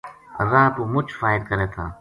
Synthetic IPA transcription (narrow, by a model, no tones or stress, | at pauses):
əzãːt̪uːmʊt͡ʃʰfaːɪɾkəɾeːt̪ʰãː